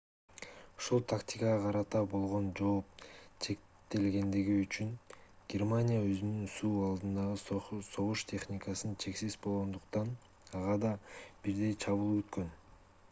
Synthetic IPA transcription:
u̥ʃulˠt̪ʰakt̪ʲikəʁɑqʰɑɾɑt̪ɑbo̞lˠʁo̞nd͡ʒo̞ːp̚t͡ʃʰe̞k | t̪e̞lɡe̞nd̪iɡiyt͡ʃyŋɡ̥ʲermanʲijaø̞zynynsuːɑlˠd̪ɯnd̪ɑʁɯso̞ʁuʃt̪ʰʲe̞χnʲɪkɑsɯnt͡ʃʰe̞ksizbo̞lˠʁo̞nd̪uqt̪ɑn | ɑʁɑd̪ɑb̥iɾd̪e̞jt͡ʃʰɑβɯlˠɡyt̪kø̞n

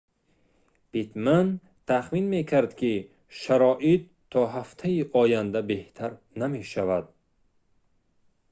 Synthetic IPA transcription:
b̥it̪man | t̪ʰaχminme̞kʰaɾd̪kʲi | ʃaɾɔːʔit̪ʰːɔɦaft̪ʰaiʔɔjand̪abe̞ht̪ʰaɾ | name̞ʃavad̪̚

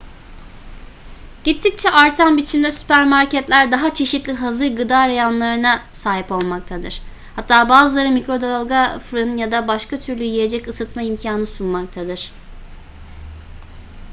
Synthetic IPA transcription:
ɟ̥it̪ʰːic̚t͡ʃʰɛʔaɾt̪ʰanbit͡ʃʰimd̪ɛsy̥pæɾmaɾcɛt̪lʲæɾd̪aɦat͡ʃʰe̞ʃit̪lʲiɦazɯɾɡɯd̪aːɾajanlˠaɾɯnasaːɦipo̞lˠmak̚t̪ʰad̪ɯɾ̥ | hat̪ːaːbaːzɯlˠaɾɯmikɾo̞d̪alˠɡafɾɯnjad̪abaʃkat̪ʰyɾlʲyjije̞d͡ʒɛcɯsɯt̪maimcʰaːnɯsunmak̚t̪ʰad̪ɯɾ̥

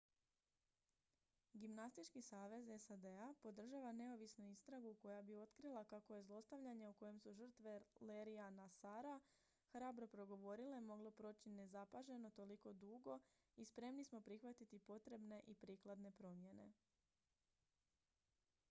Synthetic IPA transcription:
ɡimnast̪it͡ʃkisaːʋe̞ze̞sad̪e̞apo̞d̪r̩ʒaːʋane̞o̞ʋisnuist̪ɾaɡuko̞jabio̞t̪kɾilˠakako̞je̞zlˠo̞st̪aʋʎaɲe̞uko̞je̞msuʒr̩t̪ʋe̞leɾianasaɾa | xɾaːbɾo̞pɾo̞ɡo̞ʋo̞ɾileimo̞ɡlo̞pɾo̞ːt͡ɕine̞zapaʒe̞no̞t̪o̞liko̞d̪uːɡo̞ | ispɾe̞mnismo̞pɾixʋat̪it̪ipo̞t̪ɾe̞bne̞ʔipɾiːklˠad̪ne̞pɾo̞mje̞ne̞̰

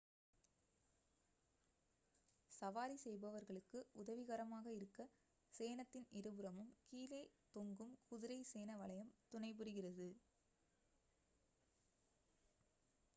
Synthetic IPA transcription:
sɐʋaːɾisɛjbɐʋɐɾɣɐɭɯkːɯʊðɐʋɪɣɐɾɐmaːɣɐɪɾɯkːɐ | seːnɐt̪ːɪnɪɾɯbɯɾɐmɯmkiːleːt̪ɔŋɡɯmkʊðɪɾɐɪseːnɐʋɐɭɐjɐmt̪ʊɳɐɪpɯɾɯɣɪrɐðɯ

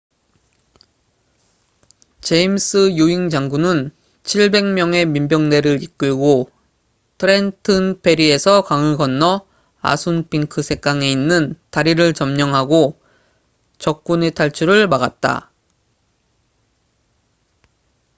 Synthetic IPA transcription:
t͡ɕe̞ims͈ɯjuiŋd͡ʑaŋɡunɯn | t͡ɕʰiɭbe̞ŋmjʌŋe̞mimbjʌŋne̞ɾɯɾik͈ɯɭɡo | tʰɯɾe̞ntʰɯnpʰe̞ɾie̞sʰʌkaŋɯɡʌnːʌ | a̰sʰunpʰiŋkʰɯsʰe̞k͈aŋe̞inːɯntaɾiɾɯɭt͡ɕʌmɲʌŋɦaɡo | t͡ɕʌk̚k͈unetʰaɭt͡ɕʰuɾɯɭmaɡat̚t͈a̰

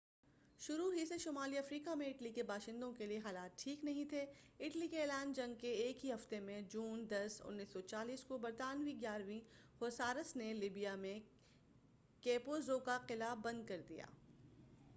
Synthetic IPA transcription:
ʃʊɾuɦiseʃʊːmaːliɐfɾiːkamẽɪʈlikebaːʃɪ̃nd̪õkelieɦaːlaːt̪̚ʈʰiːknɐɦĩt̪ʰeɪʈlikeeːlaːnd͡ʒɐ̃ŋɡ̚keeːkɦiɦɐft̪emẽd͡ʒuːnd̪ɐsʊ̰nːiːsːɔt͡ʃaːliːskobɐɾt̪aːnʋiɡjaːɾʋĩ | hoːsaːɾəsneliːbijamẽ | keːpozoːkaqɪlabɐ̃nd̪̚kɐɾd̪ḭja̰ː

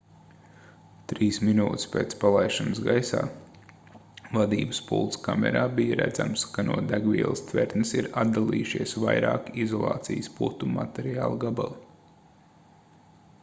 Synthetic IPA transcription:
t̪ɾiːsminuːt̪ʲɪ̥speːt̪spalˠajʃansɡajsa̰ː | vad̪ḭːbəspṵlˠt̪skamʲɛ̰ɾaːbijəɾæ̰d̪zamskanuɔd̪æɡviɛlˠəst̪vʲɛɾt̪nɨsiɾad̪d̪alˠiːjuʃiɛsʋvajɾaːkizɔlˠɑ̰ːt̪sijsput̪uma̰t̪ɛɾiaːlˠɡabalˠi

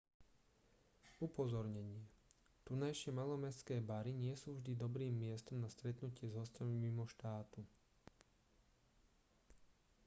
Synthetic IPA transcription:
upɔzɔɾɲɛɲɪɛ | t̪unajʃɪɛmalɔmɛskɛːbaɾiɲɪɛsuːvʒd̪id̪ɔbɾiːmːɪɛst̪ɔmnast̪ɾɛt̪nucɪɛzɦɔscamimimɔʃt̪aːt̪u

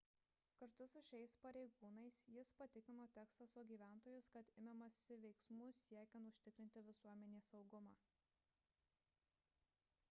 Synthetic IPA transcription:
kɐɾt̪ʊsʊʃʲɛɪspɐɾʲɛɪɡuːnɐɪsjɪspɐt̪ʲɪkʲɪmoːt̪ʲæːkst̪ɐsoɡʲiːʋʲæˑnˑt̪oːjʊskɐt̪ɪmʲɛmɐsʲɪʋʲɛɪksmuːsʲiɛkʲɛnt̪ʊʃʲt̪ʲɪkɾʲɪnʲt̪ʲɪʋʲɪsuɔmʲɛnʲeːsɒʊɡʊmɑː

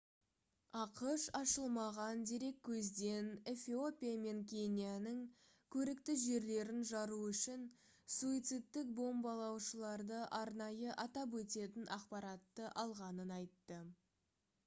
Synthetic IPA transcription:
ɑqəʃɑʃəlˠmɑʁɑnd̪e̞ɾe̞kʲʰːɵzd̪e̞ne̞fʲio̞pʲijame̞ŋkʲʰe̞nʲijanəŋ | kʲʰɵɾɪk̚t̪ɪʒe̞ɾle̞ɾɪnʒɑɾuʏʃɪn | suit̪sɨt̪ːɪk̚bo̞mbɑlˠɑwʃəlˠɑɾd̪əʔɑɾnɑjəʔɑt̪ɑp̬wɵt̪e̞t̪ɪnʔɑqpɑɾɑt̪ːəʔɑlˠʁɑnənɑjt̪ːə

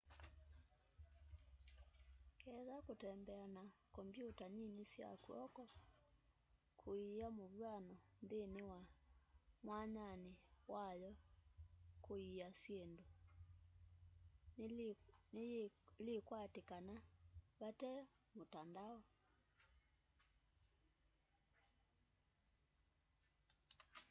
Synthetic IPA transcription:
kɛðakotɛmbɛanakɔmbjotaninesja̰kuɔ̰kɔ | kʰoiamoβwanɔndenewa | mwaɲanewajɔ | koiasjendo | nlekwatekanaβatɛ | motandaɔ

